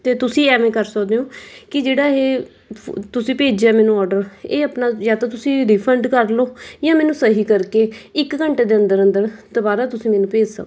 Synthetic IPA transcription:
t̪eːt̪ʊsĩːɛːmɛ̃ːkəɾsəkd̪eːõːkɪd͡ʒeːɽaːɦeː | t̪ʊsĩːpeːd͡ʒeaːmɛːnũːɔːɾɖəɾeːəpnaːzaːd̪aːt̪ʊsĩːd̪iːpʰəɳɖkəɾloːjãːmɛːnũːsəɦiːkəɾkeːɪkkəɳʈeːd̪eːə̃nd̪əɾə̃nd̪əɾt̪obaːɾaːt̪ʊsĩːmɛːnũːpeːd͡ʒsə̰kː

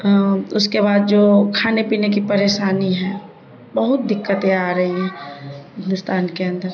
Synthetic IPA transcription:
ʊskeβaːd̪̚d͡ʒoːkʰaːnepiːnekipɐɾeːʃaːniɦɛ̃ | bɐɦʊt̪̚d̪ɪkːət̪eaːɾɐɦiɦɛ̃ːɦɪ̃nd̪ʊst̪aːnkeɐ̃nd̪əɾ

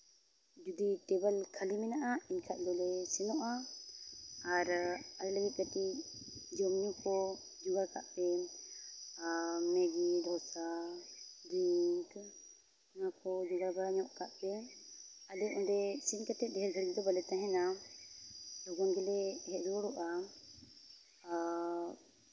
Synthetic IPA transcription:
d͡ʒud̪iʈɛbəlkʰalimɛnaʔainkʰaʔ̪̚d̪ɔlɛsinɔʔa | aɾalɛləɡit̪̚kati | d͡ʒɔmɲukɔ | d͡ʒuɡaɾka̰ʔpɛ | mɛɡid̪ɔsa | dik | nakɔd͡ʒuɡaɾbaɾaɲɔʔkaʔpɛ | alɛʔɔdɛsinkət̪ɛt̪̚dɛɦɛɾɡʱəɽɡid̪ɔbalɛt̪aɦɛna | lɔɡɔnɡɛlɛhɛlɔɽɔʔa

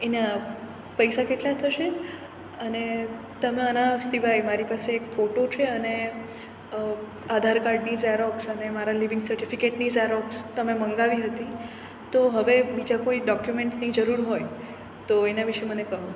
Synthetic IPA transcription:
ena | pəjsakeʈlat̪ʰəʃe | əne | t̪əmeənasɾiʋajmaɾipaseːkfoʈot͡ʃʰeəne | ad̪ʱaɾkaɾɖnisaɾɔksənemaɾaliʋɪ̃ŋɡsəɾʈifikeʈnizaɾɔkst̪əmeməŋɡaʋiɦət̪i | t̪oɦəʋebid͡ʒakoiɖɔkjumeɳʈsnid͡ʒəɾuɾɦoj | t̪oenaʋiʃemənekəɦũ

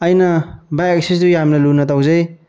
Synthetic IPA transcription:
ɐjnɐbajksisdujamnɐlunɐtawzɐj

